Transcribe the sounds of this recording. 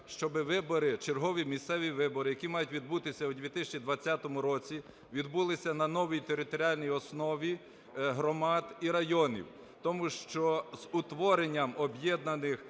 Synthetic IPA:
ʃt͡ʃɔbɪʋɪbɔɾɪt͡ʃerɦɔʋʲimʲist̪sɛʋʲiʋɪbɔɾɪjɐkʲimɑjʊtʲʋʲid̪̚but̪ɪsʲɐwd̪ʲʋʲit̪ɪsʲɐt͡ʃʲid̪ʋɐt͡sʲːat̪ɔmʊɾɔt͡sʲi | ʋʲid̪bulˠɪsʲɐnɐnɔʋijt̪eɾɪt̪ɔɾʲialʲnʲijɔsnɔʋʲi | ɦɾɔmɑd̪iɾɐjɔnʲḭw | t̪ɔmuʃt͡ʃɔz̥ʊt̪ʋɔɾenʲːɐmɔbjɛd̪nɐnɪx

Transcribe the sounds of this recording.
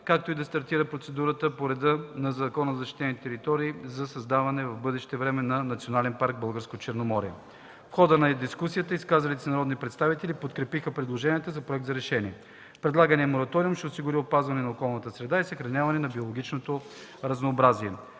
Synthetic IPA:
kak̚t̪oid̪ɐst̪ɐɾt̪iɾəpɾot̪sɛd̪uɾət̪əpoɾɛd̪ənɐzɐkɔnəzzɐʃt̪i̥t̪ɛnit̪ɛɾit̪ɔɾiːzɐsɐzd̪avɐnɛvɐvbɤd̪ɛʃt̪ɛvɾɛmɛnɐnɐt̪sʲionalɛnpaɾɡ̚bɤlˠɡəɾskot̪ot͡ʃɛɾnomɔɾiɛ | fxɔd̪ənɐd̪iskusijət̪əiskazɐlit̪sɛnɐɾɔd̪nipɾɛt̪st̪avit̪ɛlʲipot̪kɾɛpixəpɾɛd̪lˠoʒɛnʲiɛt̪əzɐpɾoɛk̚d̪zɐɾɛʃɛnʲiɛ | pɾɛd̪lˠaɡənɛɛmoɾɐt̪ɔɾiumʃɛosiɡʊɾiopazvɐnɛnɐokɔlˠnət̪əsɾɛd̪aisəxɾɐnʲavɐnɛnɐbiolˠoɡʲit͡ʃnot̪o | ɾɐznoːbɾaziɛ

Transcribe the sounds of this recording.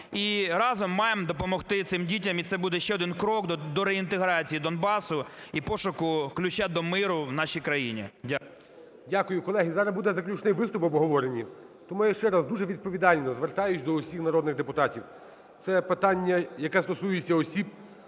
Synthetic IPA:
iɾɑzɔmːɑjemd̪ɔpɔmɔxt̪ɪt̪sɪmdʲit̬ʲɐmit̪sɛbud̪ɛʃt͡ʃɛɔd̪ɪnkɾɔkd̪ɔɾeint̪eɦɾɑt͡sʲijid̪ɔnbɑsʊipɔʃʊkʊklʲʊt͡ʃad̪ɔmɪɾʊwnɑʃijkɾɐjinʲḭdʲa | dʲakʊjʊkɔlˠɛɦizɑɾɐbud̪ɛzɐklʲut͡ʃnɪjʋɪst̪ʊpɔbɦɔʋɔɾenʲi | t̪ɔmujɐʃt͡ʃɛɾɑzd̪uʒɛʋʲid̪̚pɔʋʲid̪ɑlʲnɔzʋert̪ɑjʊt͡ʃʲd̪ɔɔsʲixnɐɾɔd̪nɪɣd̪epʊt̪ɑtʲiw | t̪sɛpɪt̪ɑnʲːɐjɐkɛst̪ɔsujet͡sʲːɐɔsʲib̚

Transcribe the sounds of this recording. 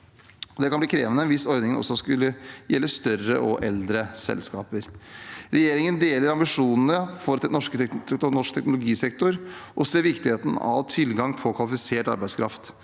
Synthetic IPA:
ɔd̪ɛkʰɑnbliːkʰɾeːʋənəʋɪsɔɾd̪nɪŋənʔɔ̰sːɔskʉlːəjɛlːəst̪œɾə̰ʔɔʔɛld̪ɾəsɛ̰lskɑ̰ːpəɾɾɛjeːɾɪŋənd̪eːləɾɑmbɪʂuːnn̩əfɔɾnɔʂknɔʂkt̪ʰɛknʊlʊɡiːsɛkt̪ʊɾʔɔseːɾʋɪkt̪ɪheːt̪n̩ɑ̰ʋt̪ʰɪlɡɑŋpʰɔkʰɑlɪfɪseːʈɑ̰ɾbæɪskʰɾɑft̪

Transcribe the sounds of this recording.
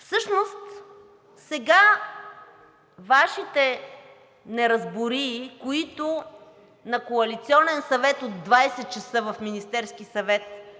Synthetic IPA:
fsɤʃnost̪ | sɛɡa | vaʃit̪ɛ | nɛɾɐzbʊɾiːkoit̪o | nɐkoɐlit̪siɔnɛnsɐvɛt̪od̪ːvajsɛt̪̚t͡ʃɐsɤvɐfminist̪ɛɾskisɐvɛt̪

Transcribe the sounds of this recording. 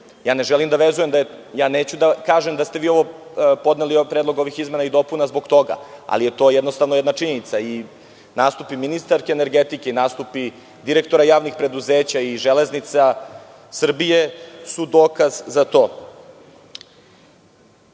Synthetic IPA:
jaːne̞ʒelimd̪aʋezujemd̪ajaːneːt͡ɕud̪akaːʒemd̪ast̪eʋiːo̞ʋo̞po̞d̪nelipɾed̪lo̞ɡo̞ʋixizme̞naid̪o̞punazbo̞ɡt̪o̞ɡa̰a̰lije̞t̪o̞ːjɛd̪nost̪aʋnojed̪naʈ͡ʂiɲenit̪sai | naːst̪upiminist̪aɾkeːneɾɡet̪ikeinaːst̪upi | d̪iɾekt̪o̞ɾajaːʋnixpɾe̞d̪uzeːt͡ɕaiʒeleznit̪sa | sr̩bijesud̪oːkazzat̪o̞ː

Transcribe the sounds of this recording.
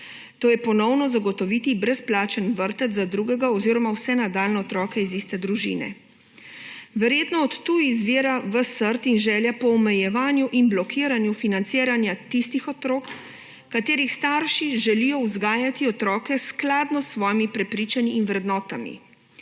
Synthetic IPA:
t̪oːjɛpɔnɔwnɔzaɡɔt̪ɔʋit̪ibɾɛsplaːt͡ʃənʋəɾt̪ət̪zad̪ɾuːɡɛɡaɔziːɾɔmawsɛnad̪aːlnɛɔt̪ɾɔːkɛizist̪ɛd̪ɾuʒḭnɛ̰ | ʋɛɾjeːt̪nɔɔt̪ːujizʋiːɾaʋəsəɾt̪inʒɛːljapɔːmɛjɛʋaːnjuʔinblɔkʰiːɾanjufinant̪siːɾanjat̪ist̪ixɔt̪ɾoːk | kat̪eːɾixst̪aːɾʃiʒɛlijɔuzɡaːjat̪iɔt̪ɾɔːkɛsklaːd̪nɔsːʋɔːjimipɾɛpɾiːt͡ʃaniːnʋɾɛd̪nɔːt̪amḭ

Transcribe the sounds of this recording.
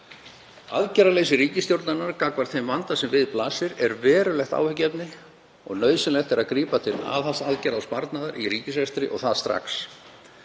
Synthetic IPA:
a̰ðcɛɾaleːjsɪriːcɪst̪jowɾt̪nanːaɾkaːkvaɾ̥t̪θejmvant̪asɛmvɪðplaːsɪɾɛɾvɛːɾʏlɛxt̪a̰ːwhʏcɛpnɪ | ɔ̰ɣnœːɥðsɪnlɛxt̪ɛɾaðkɾiːpat̪ʰɪla̰ðhalsaðcɛɾawspaɾt̪naðaɾiriːcɪsvɛst̪ɾɪʔɔ̰ɣθaðst̪ɾa̰xs

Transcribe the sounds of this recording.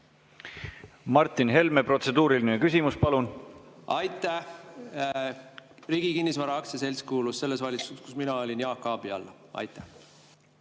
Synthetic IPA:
mɑrt̪ːˑinɦe̞lmepro̞t̪se̞d̪uːɾilinekysʲimuspɑlunɑjt̪ːˑæ | riːɡ̥ikinʲːisvɑɾɑɑksese̞lʲskuːlusse̞lːe̞svɑlʲit̪susku̥sminɑo̞lʲinjɑːkːˑɑːb̥iɑlːɑ | ɑ̰jt̪ːˑæ̥

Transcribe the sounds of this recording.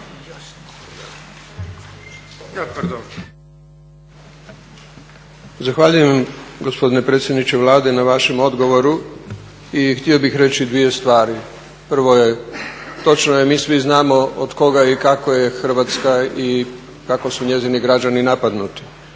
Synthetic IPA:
prd̪on | zaxʋaʎujemɡo̞spo̞d̪ine̞pɾet̪sjed̪nit͡ɕeʋlˠaːd̪e̞naʋaʃe̞mo̞d̪ɡo̞ʋo̞ɾu | ixt̪io̞bixɾe̞t͡ɕid̪ʋije̞st̪ʋaːɾi | pr̩ʋo̞je̞t̪o̞t͡ʃnojemiːsʋiznaːmo̞od̪ko̞ɡaikako̞je̞xr̩ʋat̪skai | kako̞suɲe̞ziniɡɾad͡ʒaninapad̪nut̪i̥

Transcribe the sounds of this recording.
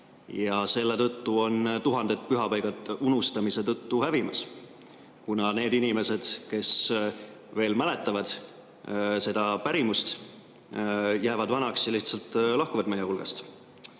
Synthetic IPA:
jɑse̞lːet̪ɤ̞t̪ːuo̞nt̪uɦɑnd̪̥e̞t̪̚ːpyɦɑpɑjɡ̥ɑt̪unust̪ɑmise̞t̪ɤ̞t̪ːuhævimɑs | kunɑne̞ːd̪inime̞se̞d̪̥ke̞s | ve̞ːlmæle̞t̪ːˑɑvɑd̪̥ | se̞d̪̥ɑpæɾimust̪ | jæːvɑd̪vɑnɑksɑliht̪sɑlt̪ːˑlɑhkuvɑd̪̥mejːehulɡ̥ɑst̪

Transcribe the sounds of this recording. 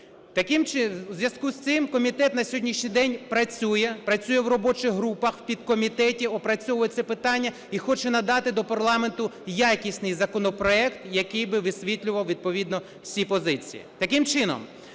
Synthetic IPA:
t̪ɐkɪmt͡ʃɪzʲʋjɐskust̪sɪmkɔmʲit̪ɛt̪nɐsʲɔɦɔdʲnʲiʃʲnʲijd̪ɛnʲpɾɐt͡sʲujɛpɾɐt͡sʲujɛwrɔbɔt͡ʃɪɣɦɾupɐxwpʲid̪̚kɔmʲit̪ɛtʲiɔpɾɐt͡sʲɔʋɔjɛt̪sɛpɪt̪ɑnʲːɐ | ixɔt͡ʃɛnɐd̪ɑt̪ɪd̪ɔpɐrlˠɑme̞nt̪ʊjakʲisʲnɪjzɐkɔnɔpɾɔɛkt̪jɐkɪjbɪʋɪsʲʋʲit̪ʲlʲʊʋɐwʋʲid̪̚pɔʋʲid̪nɔ | sʲipɔzɪt͡sʲḭjḭt̪ɐkɪmt͡ʃɪnɔ̰m

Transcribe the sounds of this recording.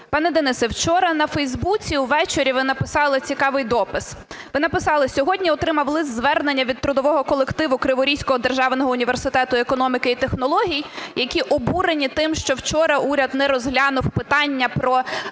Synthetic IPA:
pɑnɛd̪enɪsɛwt͡ʃɔɾɐnɐfɛjzbut͡sʲiwʋɛt͡ʃeɾʲiʋɪnɐpɪsɑlˠɪt͡sʲikɑʋɪjd̪ɔpɪsʋɪnɐpɪsɑlˠɪsʲɔɦɔdʲnʲiɔt̪ɾɪmɐwlˠɪzzʋɛrnenʲːɐʋʲid̪̚t̪ɾʊd̪ɔʋɔɦɔkɔlˠekt̪ɪʋʊkɾɪʋɔɾʲijsʲkɔɦɔd̪erʒɑʋnɔɦɔʊnʲiʋersɪt̪ɛt̪ʊekɔnɔmʲikɪit̪exnɔlˠɔɦʲijjɐkʲiʔɔbuɾenʲit̪ɪmʃt͡ʃɔwt͡ʃɔɾɐʔuɾʲɐd̪nɛɾɔzɦlʲɑnʊwpɪt̪ɑnʲːɐpɾɔ

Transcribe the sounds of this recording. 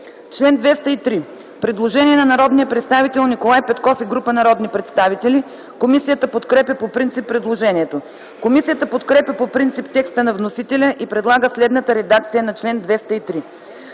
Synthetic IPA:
t͡ʃlɛnd̪vɛst̪əit̪ɾi | pɾɛd̪lˠoʒɛniɛnɐnɐɾɔd̪nijəpɾɛt̪st̪avit̪ɛlˠnikolˠajpɛt̪kɔfiɡɾupənɐɾɔd̪nipɾɛt̪st̪avit̪ɛli | komisijət̪əpot̪kɾɛpʲjəpopɾint̪sipːɾɛd̪lˠoʒɛniɛt̪o | komisijət̪əpot̪kɾɛpʲjəpopɾint̪sipt̪ɛkst̪ənɐvnosit̪ɛlʲəʔipɾɛd̪lˠaɡəslɛd̪nət̪əɾɛd̪ak̚t̪sijənɐt͡ʃlɛnd̪vɛst̪əit̪ɾi

